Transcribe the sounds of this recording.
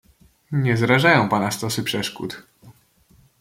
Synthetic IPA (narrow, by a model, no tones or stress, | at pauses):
ɲɛzɾaʐajɔ̃w̃panast̪ɔsɘpʂɛʂkṵt̪